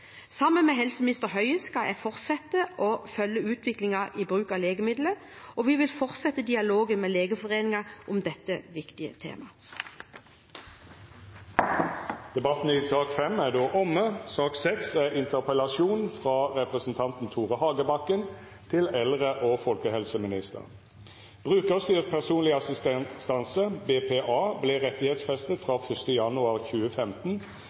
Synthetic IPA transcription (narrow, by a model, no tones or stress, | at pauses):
sɑmːənmɛɦɛlsəmɪnɪst̪əʁɦœʏəskɑjʔæ̰fɔʁt̪sɛt̪ːəʔofœlːəʉːt̪ʰʋɪklɪŋɑʔiːbʁʉːkɑleːɡəmɪd̪lə | ʔɔʋiʋɪlfɔʁt̪sɛt̪ːəd̪ɪɑloːɡənmeːleːɡəfɔʁeːnɪŋɑʔʊmd̪ɛt̪ːəʋɪkt̪ɪə̰t̪ʰḛːmɑ | d̪̥ɛbɑt̪n̩iːsɑːkfɛmæʁd̪oːʔɔməsɑːksɛksæʁɪnt̪əʁpəlɑʃuːnfʁɑːʁɛpʁəsn̩t̪ʰɑnt̪n̩t̪ʰuːʁəhɑːɡəbɑkən | t̪ʰɪlɛlʁəʔoːfɔlkəhɛlsəmɪnɪst̪ə̰ʁ | b̥ʁʉːkəʁst̪yːʁ̚pʰæʁsuːnlɪɑsɪst̪ɛst̪ɑnsəbeːpʰeːʔɑːbleːʁɛt̪ɪheːt̪sfɛst̪ət̪fʁɑːfœst̪əjɑnʊɑʁçʉːəfɛmt̪n̩